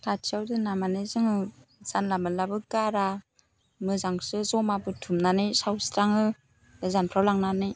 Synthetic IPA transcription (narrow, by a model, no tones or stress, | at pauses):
tʰatʰiawdɯnamanɯzɯŋɯz̥anlamalabɯɡaɾa | mɯzaŋsɯzɔmabɯtʰumnanɯjsawstaŋɯ | ɯzanpʰɾawlaŋnanɯj